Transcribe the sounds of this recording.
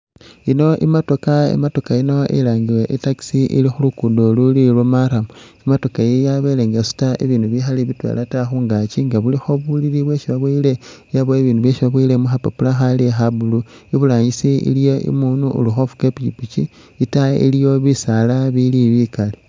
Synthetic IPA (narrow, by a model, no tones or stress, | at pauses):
ino̞ʔḭmato̞kaḛmato̞kaino̞ʔḛlaːŋɡilweʔitaki̥siʔḭlixulukuːndolulilwomaɾamuimato̞kajejaβeleːŋɡesu̥taḛβiːnuβixaliβitwḛlʔataxuːŋɡat͡ʃiŋɡaβulixo̞βuliɾiβwe̞ʃiβaβwiːle̞ | jaβoeβiːnduβjeʃiβaβwiːlemuxapapulaxalexabulu | iβulaːɲisiḭljoḭmunuṵluxo̞fu̥kepit͡ʃipit͡ʃi | itaḭlijo̞βisalaβiliβikale